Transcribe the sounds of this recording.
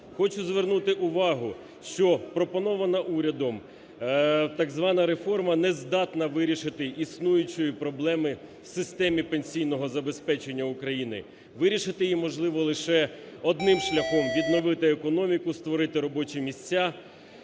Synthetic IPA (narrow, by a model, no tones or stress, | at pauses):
xɔt͡ʃʊzʋernut̪ɪʔʊʋɑɦʊ | ʃt͡ʃɔpɾɔpɔnɔʋɐnɐʔuɾʲɐd̪ɔm | t̪ɐɡzʋɑnɐɾe̞fɔrmɐnɛzd̪ɑt̪nɐʋɪɾʲiʃɪt̪ɪʔisnujʊt͡ʃɔjipɾɔblˠɛmɪwsɪst̪ɛmʲipenʲsʲijnɔɦɔzɐbe̞spɛt͡ʃenʲːɐʊkɾɐjinɪ̰ | ʋɪɾʲiʃɪt̪ɪjimɔʒlˠɪʋɔlˠɪʃɛ | ɔd̪nɪmʃlʲɐxɔmʋʲid̪nɔʋɪt̪ɪekɔnɔmʲikʊst̪ʋɔɾɪt̪ɪɾɔbɔt͡ʃimʲisʲt͡sʲːa